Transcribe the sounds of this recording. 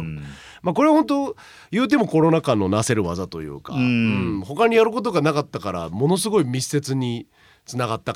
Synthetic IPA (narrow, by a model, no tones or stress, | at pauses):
mako̞ɾe̞hõ̞nt̪̬o̞ | jɯ̟ːt̪̬e̞mo̞ko̞ɾo̞nakãnːo̞nase̞ɾɯ̟βazat̪o̞jɯ̰ːka̰ɯ̃ɴ̃ɴho̞kaɲ̟ijaɾɯ̟ko̞t̪o̞ɡanakat̪ːakaɾa̰mo̞no̞s̬ɨɡo̞imʲii̥se̞t͡sɨɲ̟i | t͡sɨnaɡat̪ːa